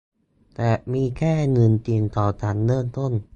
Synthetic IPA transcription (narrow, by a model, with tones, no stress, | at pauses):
t̪ɛː˨˩miː˧kʰɛː˥˩ŋɤ˧nt̪i˧nt̪ɔː˨˩t͡ɕaː˨˩nːɤː˥˩nt̪o˥˩n